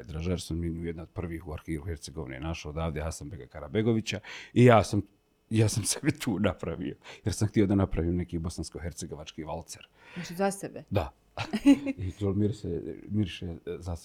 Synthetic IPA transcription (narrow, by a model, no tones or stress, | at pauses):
d̪ɾaʒaɾsunminujed̪naod̪̚pr̩ʋiːhuaɾxiːɾuheɾt̪se̞ɡo̞ʋinḛnaʃaod̪aːʋd̪easambeɡakaɾabe̞ɡo̞ʋit͡ɕaijaːsam | jaːsamsebit̪ʰuːnapɾaʋḭjo̞jeɾsamxt̪iod̪anapɾaʋione̞kiːbo̞sanskoɦeɾt̪seɡo̞ʋat͡ʃkiːʋalt̪seɾ | aʃzasebed̪a | ikolmiɾsḛmiɾʃezas